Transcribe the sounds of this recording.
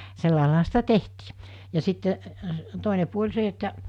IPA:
selːɑˑelɑːhɑ sitæ tehti jɑ sitːe toˑine puolʲ se etːæ

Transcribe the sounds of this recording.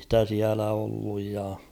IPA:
stæ siælæ olːuj jɑ

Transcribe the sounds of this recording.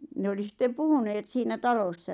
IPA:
ne oli sĭtːe puhuneːt siːnæ tɑlosːɑ

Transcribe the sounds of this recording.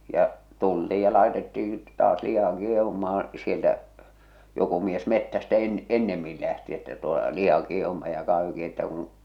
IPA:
jɑ tultiːj jɑ lɑˑetetːiː tɑːs lihɑ kieh̞umɑːɑ̃ sieltæ joku mies metːæstæ en enːemːil læhti etːæ toe lihɑ kieh̞umɑj jɑ kɑh̞ʋiŋ keitːæː kũː

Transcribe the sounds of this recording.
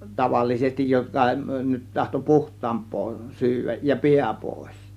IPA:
tɑʋɑlːisestij jokɑ nyt tɑhto puhtˑɑːmpˑoː syːʋæj jɑ piæ poˑe̝s

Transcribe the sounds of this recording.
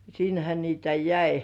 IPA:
sinhæ niːtæ jæi

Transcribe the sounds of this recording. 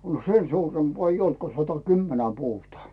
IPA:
no sen suːrempŏɑ eij olt ko sɑtɑkymːenæ puːtŏɑˑ

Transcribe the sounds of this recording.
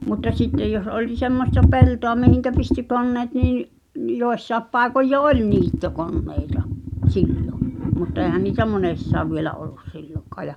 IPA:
mutːɑ sitːej jos olĭ semːostɑ peltoɑ mihiŋkæ pisty konːeːt niː nĭ n̆ joesːɑep pɑˑekoj jo olʲ niːtːokonːeitɑ silːo mutːɑ eːhæn niːtæ monesːɑːʋ ʋielæ olːus silːokɑː jɑ

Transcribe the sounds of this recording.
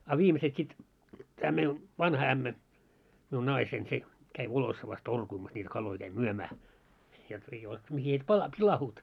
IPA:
ɑ ʋiːmeset sit tæː mei ʋɑnhɑ æmːæ miun nɑisein se kæi ʋolosːɑʋɑs torkuimɑs nʲiti kɑlːoi kæi myømæː jot ei ol̆ĕ mihi et pɑlɑ pilɑhuːt

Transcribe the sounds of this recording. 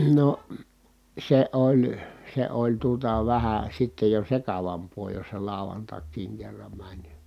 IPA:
no se olʲ se olʲ tuotɑ ʋæhæ sitːej jo sekɑʋɑmpˑoː jos se lɑˑu̞ʋɑntɑkˑiːŋ kerːɑm mænʲ

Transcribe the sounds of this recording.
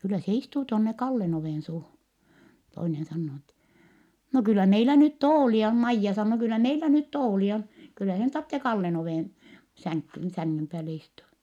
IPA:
kylːæ se istuː tonːe kɑlːen oʋeˑnsuːhun toinen sɑnːoː n etːɛ no kylːæ meilæ nyt toːliɑ on mɑijːɑ sɑnːoː kylːæ meilæ nyt toːliɑ on kylːæ sen tɑrtːe kɑlːen oʋeˑn sæŋkːyn sæŋːym pæːle istuɑ

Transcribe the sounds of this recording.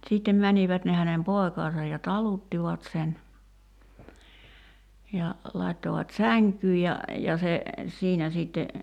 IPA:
siˑtːem mæniʋæt ne hænem poi̞kɑːsɑj jɑ tɑlutːiʋɑt sen jɑ lɑi̞tːoʋɑt sæŋkyː jɑ jɑ se siːnæ siːtːe

